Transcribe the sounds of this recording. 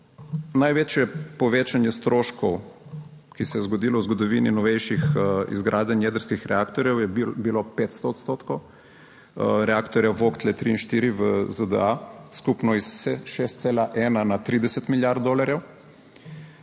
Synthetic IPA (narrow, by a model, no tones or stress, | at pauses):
najʋeːt͡ʃjɛpɔʋeːt͡ʃanjɛst̪ɾoːʃkɔw | kisɛjɛzɡɔd̪iːlɔwzɡɔd̪ɔʋiːninɔʋɛjʃixḭzɡɾʔaːd̪ɛnjɛːd̪əɾskixɾɛaːkt̪ɔɾjɛwjɛbilopeːt̪st̪ɔːt̪st̪oːt̪kɔw | ɾɛakt̪ɔɾjaʋokt̪lɛt̪ɾiːnʃt̪iːɾiʋəzəd̪ə̰askupnɔisʃest̪selaʔɛːnanat̪ɾiːd̪ɛsɛt̪miljaɾt̪̚d̪oːlaɾjɛw